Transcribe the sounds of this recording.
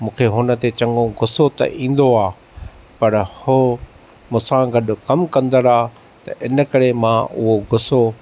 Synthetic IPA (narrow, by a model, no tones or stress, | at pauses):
mũːkʰeɦʊnə̆t̪et͡ɕɐ̃ŋɡõɡʱʊsot̪ɐ̰ʔĩːn̆d̪oaː | pɐɾhoː | mʊ̃ːsãɡɐɗʊ̆kɐmkɐ̃nd̪əɾaː | t̪ɐ̰ʔɪnə̆kɐɾemãʔʊɦoɡʱʊso